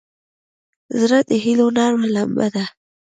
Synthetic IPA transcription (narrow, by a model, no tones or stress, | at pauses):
zɾat̪eɦilonɑːɾmalamba̰d̪a